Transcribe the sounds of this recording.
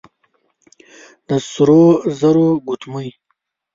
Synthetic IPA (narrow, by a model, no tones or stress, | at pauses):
d̪̥əsuɾozaɾoɡut̪muj